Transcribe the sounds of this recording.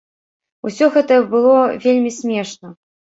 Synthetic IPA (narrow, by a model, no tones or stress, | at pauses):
usʲɔɣɛt̪ɐbɨlˠɔvʲelʲmʲisʲmʲɛʂnɐ